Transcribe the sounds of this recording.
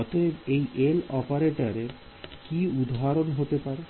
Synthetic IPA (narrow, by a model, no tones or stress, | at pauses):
ɔt̪ʰebejʔelɔpaɾeʈaɾeɾ | kiud̪ʱɦaɾonɦot̪epaɾe